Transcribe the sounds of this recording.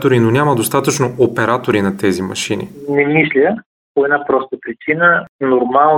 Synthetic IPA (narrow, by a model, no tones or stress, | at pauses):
t̪oɾinonʲamɐd̪ost̪at̪ət͡ʃnoopɛɾat̪oɾinɐt̪ɛzimɐ̰ʃinḭnɛmislʲə | poɛd̪napɾɔst̪əpɾit͡ʃinənoɾmalˠ